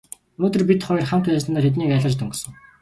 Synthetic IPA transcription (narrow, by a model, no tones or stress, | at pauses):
unoːt̪̬ɵ̆rpit̪χɔjrχam̥t̪æːsənaːxet̪̬niːkæɮə̆t͡ɕt̪ɵŋɡsɵ̆ŋ